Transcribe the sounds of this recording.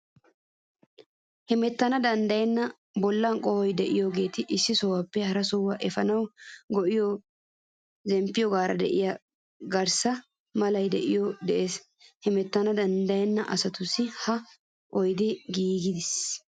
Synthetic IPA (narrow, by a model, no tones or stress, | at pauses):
hɛmɛt̪ːɐnɐd̪ɐnd̪ɐjɛnːɐ | bɔlːɐnkʼɔhɔjd̪ɛʔɪjoɡe̞ːt̪ɪʔɪsːɪsɔwɐpːɛhɐɾɐsɔwːɐʔɛfɐnɐwɡɔʔɪjɔ | zɛmpːɪjɔɡaːɾɐ̰d̪ɛ̰ʔɪja | ɡɐɾsɐ | mɐlɐjd̪ɛʔɪjɔd̪ɛʔeːs | hɛmɛt̪ːɐnɐd̪ɐnd̪ɐjɛnːɐʔɐsɐt̪ʊsːɪhɐ | ʔɔjd̪ɪɡiːɡɪd̪ɪs